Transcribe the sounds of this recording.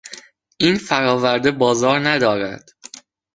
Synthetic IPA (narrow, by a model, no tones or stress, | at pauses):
ʔiːnfæɾɒːvæɾd̪e̞bɒːzɒːɾnæd̪ɒːɾæ̰d̪̥